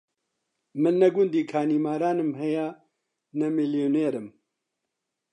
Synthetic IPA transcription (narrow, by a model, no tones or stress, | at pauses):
mɨnːɛɡʊnd̪iːkʰaːniːmaːɾaːnɨmɦɛja | nɛmɪljoːneːɾɨm